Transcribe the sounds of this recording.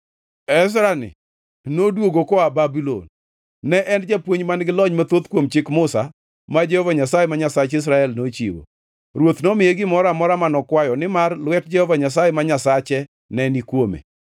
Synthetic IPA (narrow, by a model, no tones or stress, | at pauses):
ɛs̬ɾanɪ̰ | nodwoɡokɔababilo̰nː | ɛʔɛnd͡ʒɛpwoɲmanɡɪlɔɲmat̪ot̪kwomt͡ʃɪkmʊsa | mad͡ʒɛhɔvaɲasajemaɲasat͡ʃɪs̬ɾaɛlnot͡ʃḭwo̰ | ɾwot̪nɔmɪjeɡɪmɔɾamɔɾamanɔkwajɔnɪmarlwɛtd͡ʒɛhɔvaɲasajemaɲasat͡ʃɛ | nɛnikwomḛ